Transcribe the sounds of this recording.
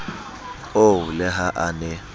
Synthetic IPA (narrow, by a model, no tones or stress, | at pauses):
olɛɦaʔanɛ